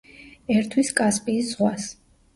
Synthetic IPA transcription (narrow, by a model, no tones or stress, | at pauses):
ɛɾt̪ʰwiskʼaspʼiːsz̥ʁwas